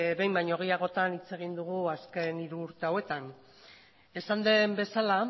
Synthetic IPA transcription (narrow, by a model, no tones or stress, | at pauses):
be̞jmbajɲoɣejaɣ̞o̞t̪anit͡se̞ɣ̞ind̪uɣ̞uaske̞niɾuːɾt̪e̞awe̞t̪an | e̞sand̪e̞mbe̞sala